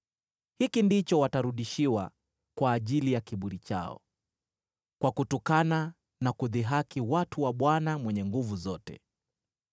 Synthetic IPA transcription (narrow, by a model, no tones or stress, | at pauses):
hikindit͡ʃɔwataɾuɗiʃiwa̰ | kwaːʄilijakiɓuɾit͡ʃa̰ɔ̰ | kwakutɔkana | nakuðiɦakiwatuwaɓwanamwɛɲɛŋɡuvuzɔtɛ̰